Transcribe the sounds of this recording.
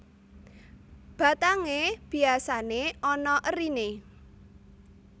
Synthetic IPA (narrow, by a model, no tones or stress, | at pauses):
b̥a̤t̪aŋeb̥i̤asaneɔnɔʔərine